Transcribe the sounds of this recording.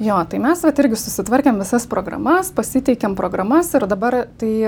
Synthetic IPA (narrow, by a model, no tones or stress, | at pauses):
joːt̪ɐɪmʲɛsʋɐt̪ɪɾʲɡʲɪsʊsʲɪt̪ʋɐɾʲkʲeːmʋʲɪsɐspɾoːɡɾɐ̰mɐspɐsʲɪt̪ʲɛɪkʲɛmpɾʔoːɡɾɐmɐsɪɾd̪ɐbɐrt̪ɐɪ